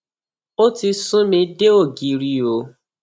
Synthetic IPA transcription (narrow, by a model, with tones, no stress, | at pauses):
o˦ti˧sũ˦mĩ˧de˦o˦˨ɡi˨˧ɾi˧o˨˦